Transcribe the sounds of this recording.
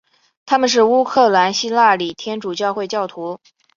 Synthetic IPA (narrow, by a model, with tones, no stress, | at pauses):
t̪ʰa˥mə˨nʂ̬ɻ̩˥˩u˥kʰɤ˥˩la˧˥nɕi˥la˥˩li˨˩t̪ʰjɛ˥nʈ͡ʂu˨˩t͡ɕjɑ˥˧ʊxwe˥˧ɪt͡ɕjɑ˥˩ʊt̪ʰu˧˥